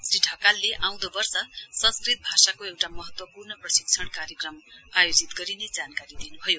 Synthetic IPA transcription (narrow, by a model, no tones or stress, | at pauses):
sriʈʰʌkalːeʔaw̃d̪obʌrsʌsʌ̃nskrit̪̚bʱasakoewʈamʌɦʌt̪wʌpurnʌprʌsik̚t͡sʰʌɽkaɾjʌkrʌmajod͡zit̪ɡʌɾined͡zankaɾid̪inubʱʌjo